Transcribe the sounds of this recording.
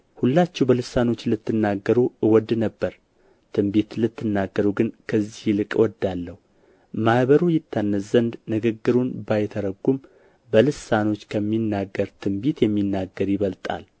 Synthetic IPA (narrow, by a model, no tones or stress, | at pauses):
hulːat͡ʃːɛwbəlɨsano̞t͡ʃːlɨt̪ːɨnːaɡːəɾuɨwɔd̪nəbːəɾ | t̪ʰɨmbit̪lɨt̪ʰːɨnːaɡːəɾuɡɨnkʰəzːihlɨkʼwɔd̪alːəhu | mahβəɾujɪt̪ʰːanːəzənd̪nɨɡɨɡːɨɾunbajt̪ʰəɾəɡːum | bəlɨsano̞t͡ʃːkʰəmːinːaɡːəɾt̪ʰɨmbit̪jɛmːinːaɡːəɾjɪβəlt̪ʼa̰l